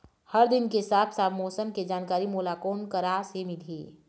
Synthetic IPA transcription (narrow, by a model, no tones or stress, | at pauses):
hɐɾd̪ɪnkesaːpʰsaːbmɔːsəmked͡ʒaːnkaːɾimoːlakoːnkəɾaːsemɪliː